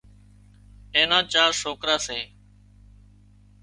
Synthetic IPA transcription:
eːnãːt͡ʃaːɾsoːkɾaːseː

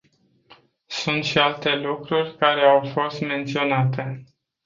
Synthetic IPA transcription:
sunt̪ʃialt̪e̞lukɾurʲkaɾe̞awfo̞st̪me̞nt̪sio̞nat̪e̞

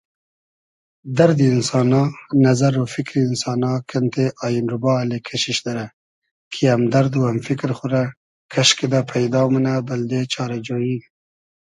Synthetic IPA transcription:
d̪aɾd̪iɪnsɑnɑnazaɾofɪkɾiɪnsɑːnɑkʰant̪ʰeʔɑjɪnɾʊbɑlekʰaʃiʃd̪aɾa | kʰiamd̪aɾd̪uamfɪkɾxuɾa | kʰaʃked̪apʰajd̪ɑmanabald̪et͡ʃɑɾad͡ʒoji

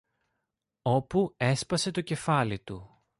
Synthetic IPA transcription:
o̞pue̞spɐse̞t̪o̞ce̞fɐlit̪u

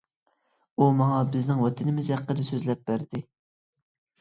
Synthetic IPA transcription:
umɑŋɑbɪznɪŋwɑt̪ʰɪnɪmɪzæqːəd̪ɛsøzlɛp̚bæɾd̪ɪ

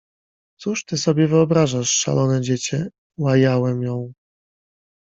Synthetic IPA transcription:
t̪suʂt̪ɘsɔbʲjɛvɘɔbɾaʐaʂːa̰lʔɔnɛd͡ʑet͡ɕɛ | wajawɛmjɔ̃w̃

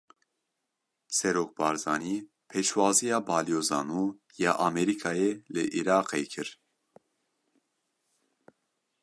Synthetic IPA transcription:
sɛɾoːk̚bɑːɾzɑːniː | pʰeːʃwɑːzijɑːbɑːlijoːzɑːnuː | jɑːʔɑmɛɾikʰaːjelɨ̰ʔiɾɑːqejkʰɨɾ

